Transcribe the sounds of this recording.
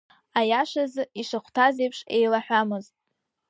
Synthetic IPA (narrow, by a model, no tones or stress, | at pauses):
ajaʂazɨiʂaχʷtʰazejpʰʂejlaħʷamɨztʼ